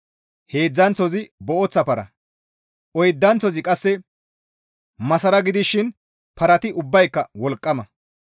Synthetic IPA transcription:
he̞ːd͡zːɐnt͡sɔzɪbɔʔɔt͡sːɐpɐɾɐ̰ | ʔɔjd̪ːɐnt͡sɔzɪkʼɐsːɛ | mɐsɐɾɐɡɪd̪ɪʃːɪn | pɐɾɐt̪ɪʊbːɐjkːɐwɔlkʼːɐmɐ

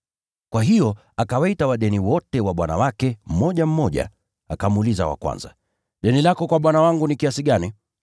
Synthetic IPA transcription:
kwaɦijɔ | akawaitawaɗɛniwɔtɛwaɓwana̰wakɛm̩mɔʄam̩mɔʄa̰ | akamuːliza̰wa̰kwa̰nza̰ | ɗɛnilakɔkwaɓwanawaŋɡunikiasiɠani

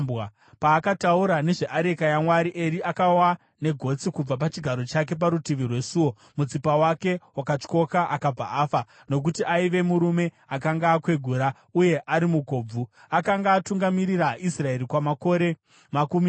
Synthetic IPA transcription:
a | paːkatauɾane̞ʐe̞ʔaɾe̞kajamwaɾiʔe̞ɾiʔakawa | ne̞ɡʱo̞t͡sikub͡vap̬at͡ʃiɡʱaɾo̞t͡ʃak̬e̞p̬aɾutiʋirwe̞suwo̞ | mut͡sipawake̞wakat͡ʃko̞kaʔakab͡va̰ʔaːfa | no̞k̬utiʔaiʋe̞muɾume̞ | akaŋɡaːkwe̞ɡʱuɾa | uje̞ʔaɾimuɡʱo̞ːb͡vu | akaŋɡaːtuŋɡamiɾiɾaisrae̞ɾikwamako̞ɾe̞ | makumi

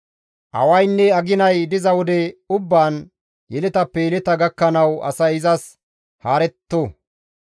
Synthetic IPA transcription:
ʔɐ̰wɐjnːɛɐɡɪnɐjd̪ɪzɐwɔd̪ɛʊbːaːn | jɛlɛt̪ɐpːɛjɛlɛt̪ɐɡɐkːɐnɐwɐ̰sɐjɪzɐs | haːɾɛt̪ːoː

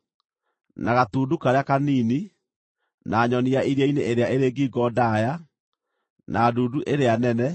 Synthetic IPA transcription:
naɣatuːdukaɾeakaniːni | naːɲɔniaiɾjaineʔeɾeaʔeɾeːɡiːɡɔdaja | naduːduʔeɾeanɛnɛ

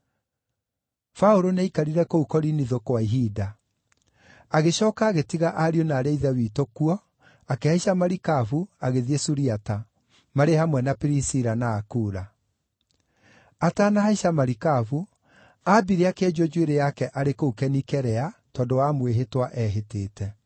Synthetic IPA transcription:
faoɾonaikaɾiɾɛkoukɔɾiniðokwaiɦida | aɣeɕɔːkaːɣetiɣaʔaɾionaːɾeiðawiːtokuɔ | akehaiʃamaɾikavuaɣeðiesuɾiata | maɾehamwɛnapiɾisiɾanaːkuːɾa | ataːnahaiʃamaɾikavu | abiɾeakeɛd͡ʒod͡ʒweɾejakɛʔaɾekoukɛnikɛɾɛatɔːndowamweɦetwaʔɛɦeteːtɛ

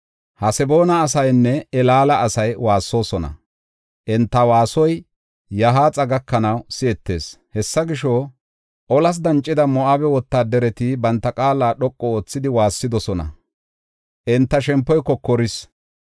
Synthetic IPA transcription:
hɐsɛbo̞ːnɐːsɐjnːɛɛlaːlɐʔːsɐjwaːsːo̞ːsɔnɐ̰ | ʔɪnt̪ːɐwaːsɔj | jɐɦaːt͡sʼɐɡɐkːɐnɐwsɪɛt̪ːe̞̰ːs | hɛsːɐɡɪʃo | ʔɔlɐs̬d̪ɐnt͡ʃʼːɪd̪ɐmɔʔabɛwɔt̪ːaːd̪ɛɾɛt̪ɪbɐnt̪ːɐkʼaːlaːɗɔkʼːɔoːt͡sːɪd̪ɪwaːsːɪd̪ɔsɔnɐ̰ | ʔɪnt̪ːɐʃɛmpːɔjkːɔkɔɾɪs

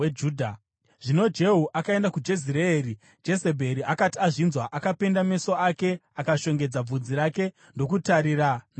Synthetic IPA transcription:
ed͡ʒuːdʱa | ʐ̥ino̞d͡ʒe̞ɦuʔakae̞ndakud͡ʒe̞z̬ireeːri | d͡ʒe̞se̞bʱeɾiʔakatiaʐinzwaʔakape̞ndame̞so̞ake̞akaʃo̞ŋɡe̞d͡zab͡vud͡ziɾake̞ | ndo̞kutaɾirana

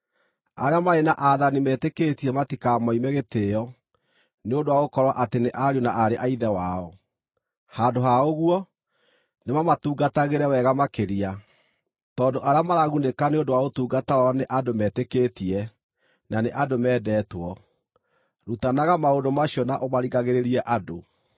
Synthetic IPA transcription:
a̰ɾeamaenaʔaðanimɛːtekeːtiɛmatikamɔimɛɣeteɔ | neondowaɣokɔɾwaʔateneʔaɾjonaʔaɾeʔaiðɛwaɔ | hadoɦaoɣwɔ | nemamatuːɡataɣeɾɛwɛɣamakeɾia | tɔndoʔaɾeamaɾaɣunekaneodowaotuːɡatawɔneʔadomɛːtekeːtiɛ | naneʔadomɛːdɛːtwɔ | ɾutanaɣamaondomaɕiɔnaʔomaɾiɣaɣeɾeɾiɛʔado

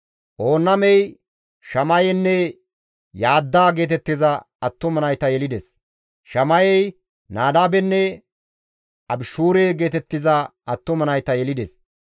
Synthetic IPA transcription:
ʔo̞ːnːɐmɛj | ʃɐmɐjɛnːɛ | jaːd̪ːaːɡe̞ːt̪ɛt̪ːɪzɐ | ɐt̪ːɔmɐnɐjt̪ɐjɛlɪd̪ɛs | ʃɐmɐjɛj | naːd̪aːbɛnːɛ | ʔɐbɪʃuːɾeːɡe̞ːt̪ɛt̪ːɪzɐɐt̪ːɔmɐnɐjt̪ɐjɛlɪd̪ɛs

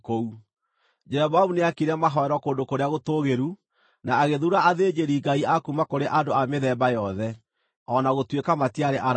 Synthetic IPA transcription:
kou | d͡ʒɛɾɛβamuneakiɾɛmaɦɔɛɾɔkoːndokoɾeaɣotoːɣeɾu | naːɣeðuɾaʔaðeːd͡ʒeɾiɡaiakumakoɾeʔandoameðɛːbajɔðɛ | ɔnaɣotwekamatiaɾeʔaɾ

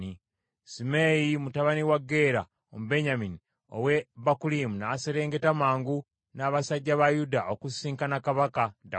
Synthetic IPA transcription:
i | simejimutaβaniwaɡe̞ɾa | omube̞ɲamini | o̰weβakulimunaːseɾe̞ːŋɡe̞tamaːŋɡu | naβasaɟːaβajudaʔokusiːŋkanakaβakada

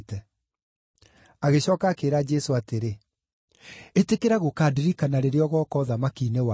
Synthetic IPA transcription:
tɛ | aɣeɕɔːkaːkeːɾad͡ʒɛsoateɾe | etekeɾaɣokaːdiɾikanaɾeɾeɔɣɔːkɔðamakiːnewa

